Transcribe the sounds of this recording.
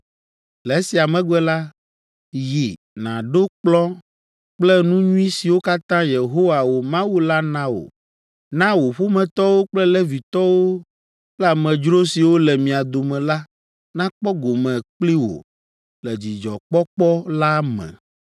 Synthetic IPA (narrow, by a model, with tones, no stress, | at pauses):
lɛ˨˦si˨a˨mɛ̃˨˦ɡɛ˦la˦ | ji˨ | nã̰˨ɖo˦k͡plɔ˦ | k͡plɛ˦nũ˦ɲũ˦ĩ˦si˨wo˦ka˦t̪ã˦je˨ɦo˦wa˨wo˨mã˦wu˦la˦nã˦wo̰˨ | nã˦wo˨ɸo˦mɛ̃˨t̪ɔ˦wo˦k͡plɛ˦lɛ˦vi˨t̪ɔ˦wo˦ | la˨mɛ̃˨d͡ʒɾo˦si˨wo˦lɛ˨mĩ˨a˨d̪o˨mɛ̃˨la˦ | nã˦k͡pɔ˦ɡo˨mɛ̃˨k͡pli˦wo̰˨ | lɛ˨d͡ʑi˨d͡ʒɔ̰˨k͡pɔ˦k͡pɔ˦la˦mɛ̰̃˨